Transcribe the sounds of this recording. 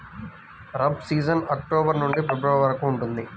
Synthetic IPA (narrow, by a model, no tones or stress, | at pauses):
ɾɐbsiːd͡ʒɐnɐk̚ʈoːbɐɾnuɳɖifebɾɐʋɐɭʋɐɾɐkuːɳʈund̪i